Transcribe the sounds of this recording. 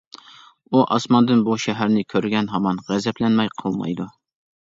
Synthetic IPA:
uʔɑsmɑnd̪ɨnbuʃɛɦæɾnɪkʲʰøɾɡʲɛnɦɑmɑnʁæzɛplɛnmɛjqʰəlˠmɑ̰jd̪u

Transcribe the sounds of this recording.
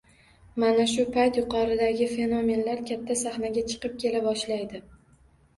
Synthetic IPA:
manaʃʊpʰajt̪jʊqʰɒɾɪd̪aɡʲɪfe̞no̞me̞nlaɾkʲʰat̪ʰːasaχnaɡʲat͡ʃʰɨ̥qɨp̚kʲʰe̞labɒʃlajd̪ɪ

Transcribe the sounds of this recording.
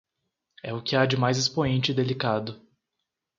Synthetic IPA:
ɛʊkɪad͡ʒɪmajzɪspoẽnt͡ʃɪd̪elikad̪ʊ

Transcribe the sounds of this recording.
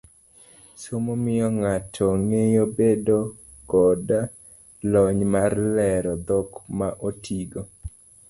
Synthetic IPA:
somomɪjɔŋatʰɔŋejobedo | kɔda | lɔɲmarlɛɾɔd̪ɔkmaʔotʰiɡo

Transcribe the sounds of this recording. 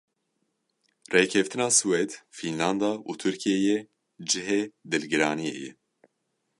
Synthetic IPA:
rekʰɛft̪ɨnɑːsuwed̪finlɑnd̪ɑːʔuːt̪ʰɨɾkʰijejɛ | d͡ʒɨɦeːd̪ɨlɡɨɾɑːnijḛjɛ̰

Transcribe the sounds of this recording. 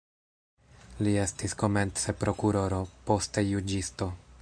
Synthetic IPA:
lie̞stisko̞me̞nt͡se̞pɾo̞kuɾo̞ɾo̞po̞ste̞jud͡ʒisto̞

